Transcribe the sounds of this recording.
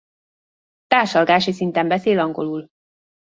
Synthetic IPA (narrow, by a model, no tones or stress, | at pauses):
t̪aːʃɒlɡaːʃisint̪ɛmbɛseːlɒŋɡo̞lul